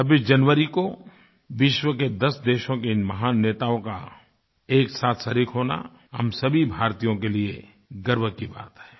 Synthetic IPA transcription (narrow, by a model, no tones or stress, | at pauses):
t͡ʃʰɐbiːsd͡ʒɐnʋəɾiko | ʋɪʃwəked̪ɐsd̪eːʃõkeɪnmɐɦaːnːeːt̪aõka̰ | eːksaːt̪ʰsɐɾiːkʰɦoːna̰ | ɦɐ̰msɐbʱibʱaːɾt̪ijõkelie | ɡəɾʋəkiba̰ːt̪ɦɛː